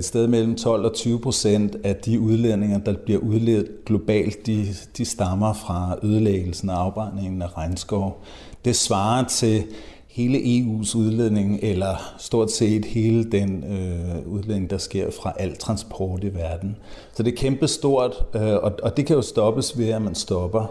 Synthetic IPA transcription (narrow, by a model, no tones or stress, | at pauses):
ed̥sd̥eð̞ˠmel̰m̩t͡sʰɒ̽l̰ɒ̽t͡sʰyːʊəpʰʁo̝sen̰d̥æd̥iuð̞ˠlḛne̝ŋɐd̥ɑ̈b̥liɐʔuð̞ˠleð̩ˠɡ̥lo̝b̥ɛ̰ːld̥id̥isd̥ɑ̈mɐfʁɑ̈øːð̞ˠleɡ̥l̩sn̩æɑ̈ʊb̥ʁɑ̈ne̝ŋn̩æʁɑɪnsɡ̥ɒʊ̰ | d̥e̝sʋɑ̈ːɐt͡sʰe̝ | he̝ːləʔe̝ṵːsuð̞ˠleð̰ˠne̝ŋʔelɐsd̥o̝ɐ̰d̥se̝̰ːd̥he̝ːləd̥enøuð̞ˠlene̝ŋd̥ɑ̈sɡ̥e̝ɐ̰fʁɑ̈ʔæl̰t͡sʰʁɑ̈nsb̥ʰɒ̰ːd̥iʋæɐd̥n̩sɒ̽d̥e̝ɐkʰemb̥əsd̥o̝ɐ̰d̥ɒ̽ɒ̽d̥e̝kʰæjo̝sd̥ɒ̽b̥əsʋe̝æmænsd̥ɒ̽b̥ɐ